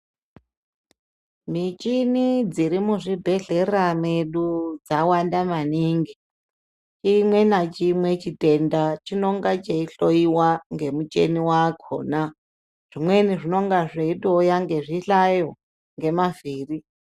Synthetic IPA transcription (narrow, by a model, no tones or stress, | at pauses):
mit͡ʃʼinid͡ziɾimuʐibʱe̞ɮe̞rameɗud͡zawandamaniːŋɡi | t͡ʃimwe̞nat͡ʃimwe̞t͡ʃitʼe̞ndat͡ʃino̞ŋɡat͡ʃeiɬo̞iwaŋɡe̞mut͡ʃḛniwakʰo̰na | ʐ̥imwe̞niʐino̞ŋɡaʐeiɗojaŋɡe̞ʐiɬajo̞ | ŋɡe̞maviːri